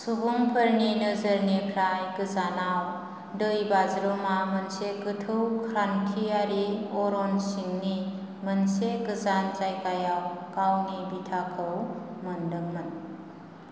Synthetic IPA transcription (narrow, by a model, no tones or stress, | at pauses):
subuŋpʰɯɾninɯzɯɾnikʰɾajkɯzanaw | dɯjbazɾomamɐnsekɯtʰɯwkʰɾankʰiaɾiɔɾɔnsiŋni | mənsekɯzant͡ʃajkajawkawnibitʰakʰɯwmɐndɯŋmɯn